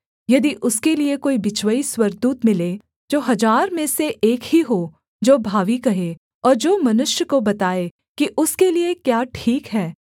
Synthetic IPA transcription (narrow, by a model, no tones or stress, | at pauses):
jɐd̪iʔʊskeliekoːibɪt͡ʃwəiswɐɾɡ̚d̪uːt̪mɪle | d͡ʒoːɦɐd͡ʒaːɾmẽseʔeːkhiɦoː | d͡ʒoːbʱaːʋikɐɦe | ɔːɾd͡ʒoːmɐnʊʃjəkobɐt̪aːe | kiʔʊskeliekjaːʈʰiːkɦɛː